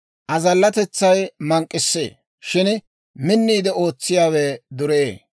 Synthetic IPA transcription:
ʔɐzɐlːɐt̪ɛt͡sːɐjmɐŋkʼːɪsːḛː | ʃɪn | mɪnːiːd̪ɛo̞ːt͡sːɪjaːwɛd̪ʊɾeeː

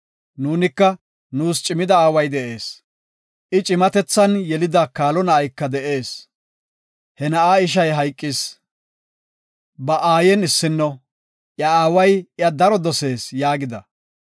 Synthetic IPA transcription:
nuːnɪkːɐ | nuːst͡ʃʼɪmɪd̪ɐaːwɐjd̪ɛʔe̞ːs | ʔɪt͡ʃʼɪmɐt̪ɛt͡sːɐnjɛlɪd̪ɐkaːlɔnɐːjkːɐd̪ɛʔe̞ːs | hɛnɐʔaːɪʃ̬ɐjɦɐjkʼːɪs | bɐʔaːjɛnɪsːɪnːɔ | ʔjɐaːwɐjɪɐd̪ɐɾɔd̪ɔse̞ːsjaːɡɪd̪ɐ

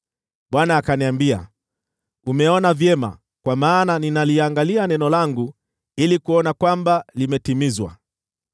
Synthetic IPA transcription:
ɓwanaːkaniambia̰ | umɛɔnavjɛma̰ | kwamaːnaninaliaŋɡalianɛnɔlaŋɡu | ilikuɔnakwambalimɛtimizwa̰

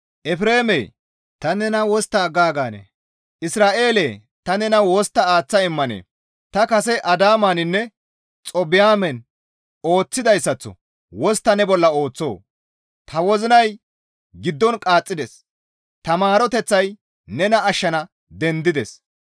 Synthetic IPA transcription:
ʔɛfɾe̞ːmḛː | t̪ɐnɛnɐwɔst̪aːɡaːɡaːnɛ̰ | ʔɪsɾaːʔe̞ːleː | t̪ɐnɛnɐwɔst̪ːɐaːt͡sːɐɪmːɐnḛː | t̪ɐkɐsɛʔɐd̪aːmaːnɪnːɛ | t͡sʼɔbɪjaːmɛn | o̞ːt͡sːɪd̪ɐjsːɐt͡sːɔ̰ | wɔst̪ːɐnɛbɔlːɐo̞ːt͡sːo̞ː | t̪ʰɐwɔzɪnɐj | ɡɪd̪ːɔnkʼaːt͡sʼːɪd̪ɛs | t̪ɐmaːɾɔt̪ɛt͡sːɐj | nɛnɐɐʃːɐnɐ | d̪ɛnd̪ɪd̪ɛs

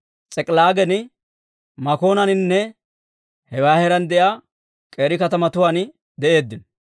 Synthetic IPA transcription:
t͡sʼɛkʼlaːɡɛnɪ | mɐko̞ːnɐnɪnːɛ | hɛwaːhɛɾɐnd̪ɛjaː | kʼe̞ːɾɪkɐt̪ɐmɐt̪ʊwaːn | d̪ɛʔe̞ːd̪ːɪn

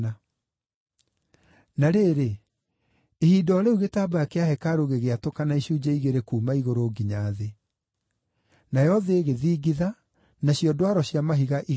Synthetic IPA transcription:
a | naɾeːɾe | hiːdɔːɾeuɣetaːbaakeaɦɛkaɾoɣeɣeatokanaiɕuːd͡ʒaiɣeɾekuːmaiɣoɾoːɡiɲaːðe | najɔðeːɣeðiːɡiða | naɕjɔdwaɾɔɕjamaɦiɣaʔi

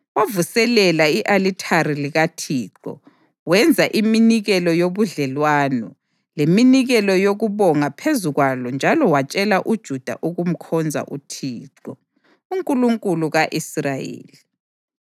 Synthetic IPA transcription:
wavusɛlɛlaiʔalitʰaɾiliɣatʰiːǁɔ̰ | wɛnd͡zʱaʔiminiɣɛlɔjoβuɮɛlwaːnɔ | leminiɣɛlɔjoɣuβɔŋapʰezuɣwalɔnd͡ʒʱalɔwat͡ʃʼɛlaʔud̥ʒ̥ʱud̥ʱa̰ʔuɣum̩kʰɔnd͡zʱa̰ʔutʰiːǃɔ | uŋkʼuluŋkʼuluɣaʔisrajḛːli

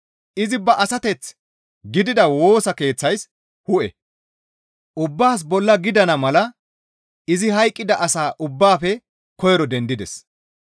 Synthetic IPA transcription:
ʔɪzɪbɐʔɐsɐt̪ɛt͡s | ɡɪd̪ɪd̪ɐwo̞ːsɐke̞ːt͡sːɐjs | hʊʔɛ̰ | ʔʊbːaːs̬bɔlːɐɡɪd̪ɐnɐmɐlɐ | ɪzɪɦɐjkʼːɪd̪ɐʔɐsaːʔʊbːaːfɛ | kɔjɛɾɔd̪ɛnd̪ɪd̪ɛs

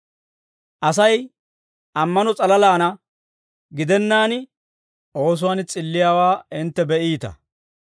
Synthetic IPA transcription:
ʔɐsɐj | ʔɐmːɐnɔt͡sʼɐlɐlaːnɐ | ɡɪd̪ɛnːaːnɪ | ʔo̞ːs̬ʊwɐnt͡sʼɪlːɪjaːwaːɪnt̪ːɛbɛʔiːt̪ɐ̰

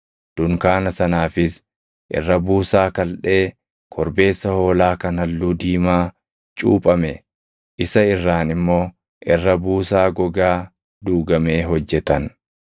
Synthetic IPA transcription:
d̪̥ʊŋkaːnɐsɐnaːfɪs | ʔɪ̰rːɐbuːsaːkɐlᶑe̞ː | kʰɔɾbe̞ːsːɐho̞ːlaːkɐnɐlːuːd̪iːmaː | t͡ʃʼṵːpʼɐmɛ | ʔɪsɐɪrːaːnɪmːo̞ː | ʔɪrːɐbuːsaːɡɔɡaː | d̪uːɡɐme̞ːɦɔd͡ʒːɛt̪ɐn

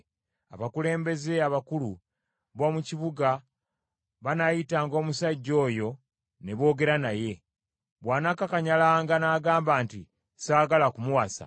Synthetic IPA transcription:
a̰βakule̞ːmbe̞ze̞aβakulu | βo̞ːmuciβuɡa | βanajitaːŋɡo̞ːmusaɟːo̞ːjo̞ | ne̞βo̞ːɡe̞ɾanaje̞ | βwaːnakakaɲalaːŋɡanaːɡaːmbaːntḭ | saːɡalakumuwasa̰

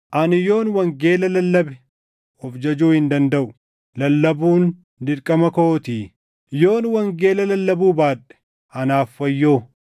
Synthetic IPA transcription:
ʔɐnɪjo̞ːnwɐŋɡeːlɐlɐlːɐbɛ | ɔfd͡ʒɐd͡ʒuːhɪnd̪ɐnd̪ɐʔʊ̥ | lɐlːɐbuːn | d̪ɪɾkʼɐmɐkoːt̪iː | jo̞ːnwɐŋɡe̞ːlɐlɐlːɐbuːbaːᶑɛ̥ | ɐnaːfːɐjːo̞ː

